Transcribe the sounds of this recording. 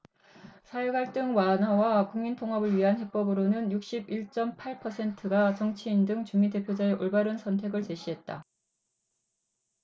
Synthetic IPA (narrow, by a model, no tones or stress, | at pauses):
sʰajeɡaɭt͈ɯŋwanawakuŋmintʰoŋɦabɯɭɥiɦanhe̞p͈ʌbɯɾonɯnjuk̚ɕ͈ibiɭt͡ɕ͈ʌmpʰaɭpʰʌsʰe̞ntʰɯɡat͡ɕʌŋt͡ɕʰiːndɯŋt͡ɕuŋminde̞pʰjod͡ʑaeʔoɭbaɾɯnsʰʌntʰwe̞ɡɯɭt͡ɕe̞ɕʰiɦe̞t̚t͈a